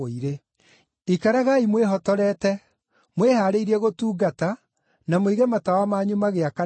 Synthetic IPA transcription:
iɾe | ikaɾaɣaimweɦɔtɔɾɛtɛ | mwehaːɾeiɾiɛɣotuːɡata | namoiɣɛmatawamaɲumaɣeaka

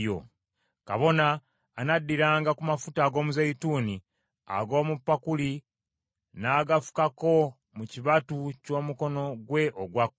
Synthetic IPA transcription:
o̰ | ka̰βo̞naː | nadːiɾaːŋɡakumafutaːɡo̞ːmuzaituːni | a̰ɡo̞ːmupːakuli | naːɡafu̥kako̞ | muciβatuco̞ːmuko̞no̞ɡwe̞ʔoɡwakː

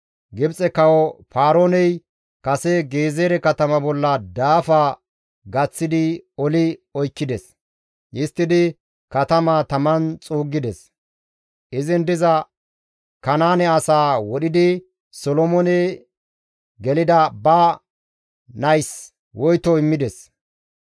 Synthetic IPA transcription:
ɡɪbt͡sʼɛkɐwɔfaːɾoːnɛj | kɐsɛɡe̞ːzeːɾɛkɐt̪ɐmɐbɔlːɐd̪aːfa | ɡɐt͡sːɪd̪ɪɔlɪɔjkːɪd̪ɛs | ʔɪst̪ːɪd̪ɪ | kɐt̪ɐmat̪ɐmɐnt͡sʼuːɡːɪd̪ɛs | ʔɪzɪnd̪ɪzɐ | kɐnaːnɛɐsaːwɔɗɪd̪ɪ | sɔlɔmɔnɛ | ɡɛlɪd̪ɐbɐ | nɐjs | wɔjt̪ɔɪmːɪd̪ɛs

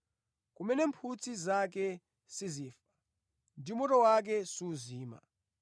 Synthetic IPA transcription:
kumɛnɛmpʰut͡sʰizak̬ɛ | siziːfḁ | ndimɔtɔwak̬ɛsuːziːma̰

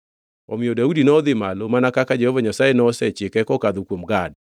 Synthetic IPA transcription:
ɔmɪɔdaudinɔðɪmalomanakakad͡ʒɛhɔvaɲasajenɔsɛt͡ʃɪkɛkɔkaðokwomɡad

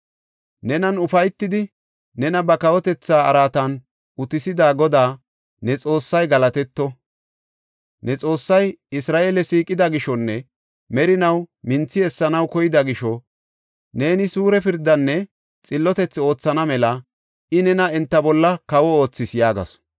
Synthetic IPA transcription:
nɛnɐnʊfɐjt̪ːɪd̪ɪ | nɛnɐbɐkɐwɔt̪ɛt͡sːaːɐɾaːt̪ɐn | ʊt̪ɪsɪd̪aːɡɔd̪aː | nɛt͡sʼo̞ːsːɐjɡɐlɐt̪ɛt̪ːɔ | nɛt͡sʼo̞ːsːɐjɪsɾaːʔeːlɛsiːkʼɪd̪ɐɡɪʃɔnːɛ | mɛɾɪnɐwmɪnt͡sːɪɛsːɐnɐwkɔjɪd̪ɐɡɪʃɔ | ne̞ːnɪsuːɾɛpɪɾd̪ːɐnːɛ | t͡sʼɪlːɔt̪ɛt͡sːɪo̞ːt͡sːɐnɐmɛlɐ | ʔɪnɛnɐɛnt̪ːɐbɔlːɐkɐwɔo̞ːt͡sːɪsjaːɡɐ̰s

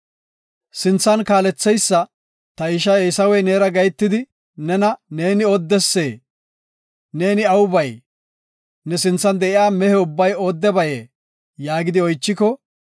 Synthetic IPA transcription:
sɪnt͡sːɐnkaːlɛt͡sːɛjsːɐ | t̪ɐɪʃɐesɐwɛjneːɾɐɡɐjt̪ːɪd̪ɪ | nɛnɐne̞ːnɪɔd̪ːɛsːeː | ne̞ːnɪɐwʊbɐj | nɛsɪnt͡sːɐnd̪ɛʔɪjaːmɛhɛʊbːɐjoːd̪ːɛbɐjeː | jaːɡɪd̪ɪɔjt͡ʃːɪkɔ

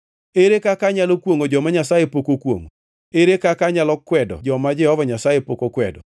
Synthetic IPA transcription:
eɾekakaɲalokwoŋod͡ʒɔmaɲasajepokokwo̰ŋo | eɾekakaɲalɔkwɛdɔ̰d͡ʒɔmad͡ʒɛhɔvaɲasajepokokwɛ̰dɔ̰

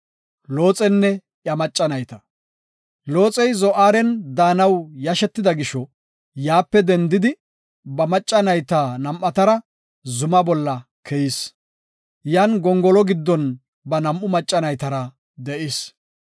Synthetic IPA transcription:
loːt͡sʼɛnːɛ | ʔjɐmɐt͡ʃʼːɐnɐjt̪ɐ | lo̞ːt͡sʼɛjzɔʔaːɾɛnd̪aːnɐwjɐʃɛt̪ːɪd̪ɐɡɪʃɔ | jaːpːɛd̪ɛnd̪ɪd̪ɪ | bɐmɐt͡ʃʼːɐnɐjt̪aːnɐmʔɐt̪ɐɾɐ | zʊmɐbɔlːɐ | kʰɛjis | janɡɔŋɡɔlɔɡɪd̪ːɔn | bɐnɐmʔʊmɐt͡ʃʼːɐnɐjt̪ɐɾɐ | d̪ɛʔɪs

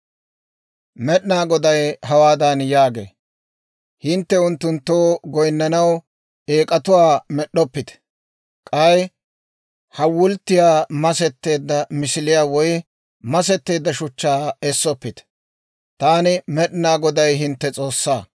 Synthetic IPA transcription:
mɛɗnaːɡɔd̪ɐjhɐwaːd̪ɐnjaːɡḛː | hɪnt̪ːɛʊnt̪ːʊnt̪ːoːɡɔjnːɐnɐw | eːkʼɐt̪ʊwaːmɛɗːɔpːɪt̪ɛ̥ | kʼɐj | hɐwʊlt̪ːɪjaːmɐsɛt̪ːe̞ːd̪ːɐmɪsɪlɪjaːwɔj | mɐs̬ɛt̪ːe̞ːd̪ːɐʃʊt͡ʃːaːɛsːɔpːɪt̪ɛ̥ | t̪aːnɪmɛɗnaːɡɔd̪ɐjɦɪnt̪ːɛt͡sʼo̞ːsːaː

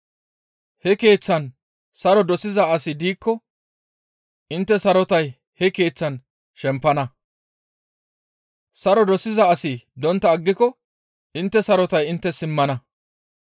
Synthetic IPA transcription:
hɛke̞ːt͡sːɐn | sɐɾɔd̪ɔsɪzɐɐsɪd̪iːkːɔ | ɪnt̪ːɛsɐɾɔt̪ɐj | hɛke̞ːt͡sːɐn | ʃɛmpːɐnɐ | sɐɾɔd̪ɔsɪzɐːsɪd̪ɔnt̪ːɐːɡːɪkɔ | ɪnt̪ːɛsɐɾɔt̪ɐjɪnt̪ːɛsɪmːɐnɐ

